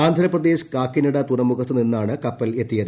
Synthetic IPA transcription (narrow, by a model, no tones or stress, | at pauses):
aːnd̪ʱɐlɐprɐd̪e̞ːɕkaːkːinɐɽɐt̪urɐmːuɣɐt̪ːɨninːaːɳɨkɐpːɐle̞t̪ːijɐðɨ